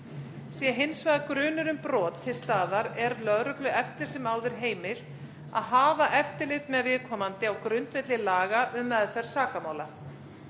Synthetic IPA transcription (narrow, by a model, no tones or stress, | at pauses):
sjɛɦejnsvajðakɾʏːnʏɾʏmpɾɔːt̪ʰːɪlst̪aːðaɾɛɾlœðɾʏklʏʔɛft̪ɪɾ̥sɛmaːwðʏɾ̥ɦeːjmɪl̥ | a̰ðɦaːvaʔɛft̪ɪlɪt̪mɛðvɪðkʰɔːmant̪ɪawkɾʏnt̪vɛt̪lɪlaːɣaʔʏmːɛðfɛr̥saːkamaːwla